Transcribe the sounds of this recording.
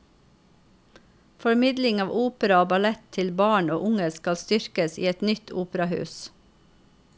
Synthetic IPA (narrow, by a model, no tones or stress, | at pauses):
fɔɹmɪd̪lɪŋɑːʋʔuːpəɾɑoːbɑlɛt̪ʰɪlbɑːɳoːʔʊŋəskɑlst̪ʏɾkəsḭːɛt̪nʏt̪ʰuːpɾɑhʉ̰ːs